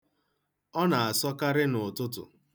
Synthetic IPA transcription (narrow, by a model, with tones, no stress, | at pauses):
ɔ˦na˨a˨sɔ˦ka˦ɾɪ˦nʊ˨tʊ˦tʊ̰˨